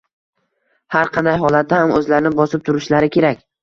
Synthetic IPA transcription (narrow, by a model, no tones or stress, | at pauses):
haɾqʰɑnd̪ajɦɒlˠat̪̚ːahamɵzlaɾɪnɪbɒsɪp̚t̪ʰʊɾɪʃlaɾɪkʲʰe̞ɾakʲ